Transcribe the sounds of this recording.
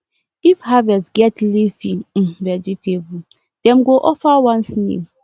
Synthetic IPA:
ifhavɛsɡɛtlifĩvɛd͡ʒitʰebu | d̥ɛ̃mɡoʔɔfawãnsnḭl

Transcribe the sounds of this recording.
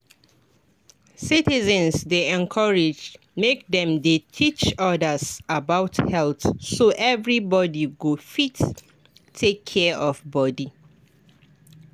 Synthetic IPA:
sitizə̃nsdeɛ̃nkʰɔɹɪd͡ʒ | mek̚dɛ̃mdetʰit͡ʃɔdəsabaʊthɛlθsoʔɛvɹibɔdiɡofitʰː | ekʰːɛɔvbɔdi

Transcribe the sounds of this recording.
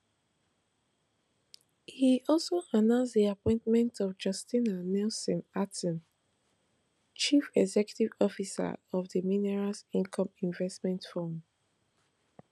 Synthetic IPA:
hiɔlˠsoʔanãʊ̃nsðiapɔ̃ɪ̃ntmɛ̃ntʰɔvd͡ʒʌstĩnanɛlsɔ̃natɔ̃n | t͡ʃifɛɡzɛkju̥tivɔfisa̰ɔvðəminɛɹasĩnkʰɔ̃mĩɱvɛstmɛ̃ntfɔ̃m

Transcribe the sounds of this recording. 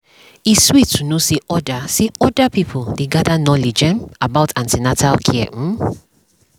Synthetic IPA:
iswitʰːunoseʔɔdaseɔdapipʰuldeɡadanɔlid͡ʒɛ̃nabaʊtãntinatʰalkʰiɛ̰m̩

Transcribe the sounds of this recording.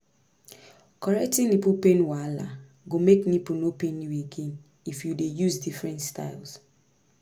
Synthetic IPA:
kɔɹɛk̚tĩnipupenwala̰ | ɡomeknipunopenjueɡen | ifjudejuzdifɹɛ̃ntsta̰ɪls

